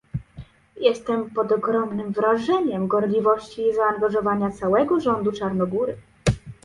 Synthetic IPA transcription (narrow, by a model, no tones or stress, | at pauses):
jɛst̪ɛmpɔd̪ɔɡɾɔmnɘmvɾaʐɛɲɛmɡɔɾlʲivɔɕt͡ɕizaːŋɡaʐɔvaɲat̪sawɛɡɔʐɔnd̪ut͡ʂaɾnɔɡuɾɘ